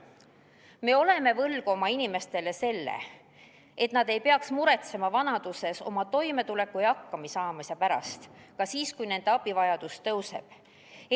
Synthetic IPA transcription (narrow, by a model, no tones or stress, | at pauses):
me̞o̞le̞me̞vɤlɡ̥omɑinime̞st̪e̞le̞se̞lːḛ | e̞t̪nɑd̪e̞jpe̞ɑksmuɾe̞t̪se̞mɑvɑnɑd̪̥use̞so̞̰mɑt̪o̞jme̞t̪ule̞kːˑujɑkːɑmisɑːmɑsɑpæɾɑ̰st̪kɑsiːskujne̞nd̪eɑb̥ivɑjɑd̪ust̪ɤwse̞̰b̥